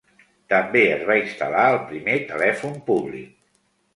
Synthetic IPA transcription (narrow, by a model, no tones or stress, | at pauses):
t̪əmbeəzβainst̪əlaəlˠpɾimet̪əlɛfumpuβlḭk̚